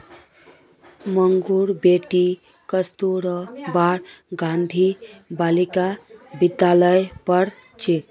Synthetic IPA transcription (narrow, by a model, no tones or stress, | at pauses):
məŋɡuɾbeʈi | kəst̪uɾəbaɾɡand̪ʱibalikabid̪jaləjpʌɾ | t͡ʃʰit̪